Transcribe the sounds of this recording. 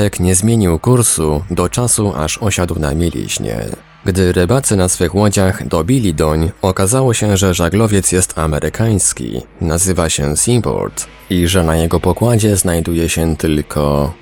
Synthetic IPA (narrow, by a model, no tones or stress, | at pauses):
ɛkɲɛzmʲjeɲiwkuɾsud̪ɔt͡ʂasuʔa̰ʂɔɕad̪wna̰mʲilʲḭʑɲɛ̰ | ɡd̪ɘɾɪbat̪sɘnasfɘxwɔd͡ʑaɣd̪ɔbʲilʲid̪ɔɲɔkazawɔɕɛʐɛʐaɡlɔvʲjɛt̪sjɛst̪amɛɾʔɘkʰaj̃skʲḭ | nazɘvaɕɛsimpɔ̰ɾt̪ | iʐɛnajɛɡɔpɔkwad͡ʑɛznajd̪ujɛɕɛt̪ɘlkʰɔ